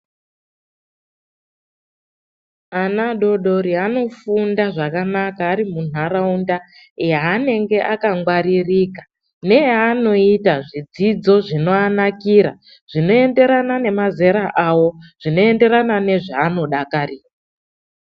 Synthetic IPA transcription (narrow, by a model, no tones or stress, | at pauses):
anaɗo̞ɗo̞ɾiano̞fundaʐakanakaːɾimun̤aɾaunda | jaːne̞ŋɡe̞ʔakaŋɡwaɾiriːkḁ | ne̞jano̞itaʐid͡zid͡zo̞ʐino̞anakiːɾa̰ | ʐ̥ino̞e̞nde̞ɾanane̞maze̞ɾaʔawo̞ʐ̥ino̞e̞nde̞ɾanane̞ʐaːno̞ɗakariːra